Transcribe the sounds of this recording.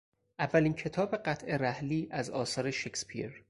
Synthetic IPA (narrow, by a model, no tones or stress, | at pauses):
ʔævːælincʰe̞t̪ʰɒːbe̞ɢæt̪ʰʔe̞ɾæhliːʔæzɒ̰ːsɒːɾeʃecspʰḭɾ